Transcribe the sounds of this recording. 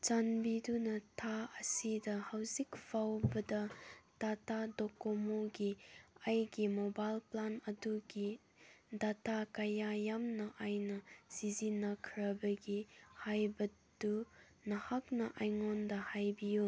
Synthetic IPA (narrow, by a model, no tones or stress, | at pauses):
t͡ʃanbidunɐtʰaɐsidɐhɐwzikfʰawbɐdɐtatadokomoɡiɐjɡimobajlplanɐduɡi | datakajajamnɐʔajnɐsizinɐkʰɾɐbɐɡihajbɐtu | nɐhak̚nɐʔajŋondɐhajbiju